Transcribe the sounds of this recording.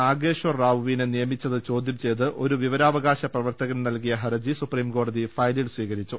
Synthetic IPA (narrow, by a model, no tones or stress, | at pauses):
aːɡeːɕʋɐrːaːʋʋiːnɨnijɐmit͡ɕːɐðɨt͡ɕo̞ːd̪jɐmt͡ɕe̞jt̪ːɨʔo̞ɾuʋiʋɐɾaːʋɐɣaːɕɐprɐʋɐrt̪ɐɣɐmnɐlkijɐɦɐɾɐd͡ʑisupriːmko̞ːɖɐðifɐjlilsʋiːɣɐɾit͡ɕːu